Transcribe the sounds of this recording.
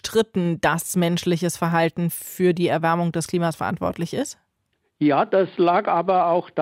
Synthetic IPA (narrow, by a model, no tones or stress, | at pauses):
tʁ̥ɪtn̩d̥asmɛnʃlɪçəsfɛɐɦaltn̩fyːɐdiːɛɐvɛɐmʊŋdɛskl̥iːmasfɛɐʔa̰ntv̥ɔ̰ɐtlɪçɪst | jaːd̥aslaːkʔaːbɐaʊxd̥